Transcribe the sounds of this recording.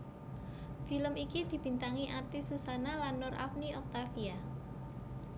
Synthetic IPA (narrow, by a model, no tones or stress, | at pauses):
filəmikid̪̥i̤b̥i̤nt̪aŋiʔart̪isusanalanːɔrʔa̰fniʔɔk̚t̪afia